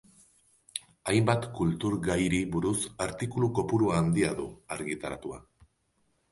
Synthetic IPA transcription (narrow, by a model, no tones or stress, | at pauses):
ajmbat̪kult̪uɾɣajɾiβuɾusaɾt̪ikuluko̞puɾuaːnd̪iaðuaɾɣit̪aɾat̪ua̰